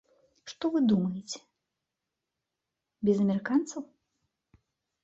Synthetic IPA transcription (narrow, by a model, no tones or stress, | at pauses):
ʂt̪ɔvɨd̪umɐjet͡sʲɛ̥ | bʲɛzɐmʲɛɾɨkant̪sɐw